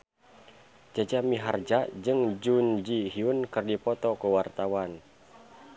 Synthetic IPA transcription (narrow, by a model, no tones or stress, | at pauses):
d͡ʒad͡ʒamiɦa̰rd͡ʒad͡ʒɨŋd͡ʒund͡ʒiɦiunkɨrdipɔt̪ɔkuwart̪awan